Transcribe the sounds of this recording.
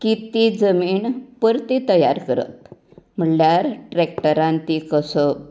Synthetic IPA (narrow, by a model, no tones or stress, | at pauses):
kit̪id͡zəmiːɳpəɾt̪it̪əja̰ɾkəɾə̰t̪ | m̤əɽljaɾʈɾekʈəɾãnt̪ikəsə